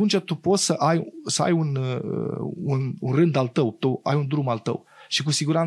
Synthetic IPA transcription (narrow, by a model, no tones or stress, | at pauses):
unt͡ʃat̪upo̞t̪səʔajsəa̰junə̰ununrɨnd̪alt̪əwt̪uwa̰jund̪ɾumalt̪ə̰w | ʃik̬usiɡuɾan